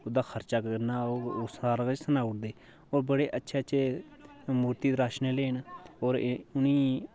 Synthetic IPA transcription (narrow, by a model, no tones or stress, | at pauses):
ʊd̪aːkʰəɾt͡ʃaːkəɾnaːoːɾsaːɾkt͡ʃsənaːʊʈd̪eː | oːɾbəɽeːʔətːʃʰeːətːʃʰeː | muːɾt̪iːd̪ɾaːʃneːleːnoːɾʊniː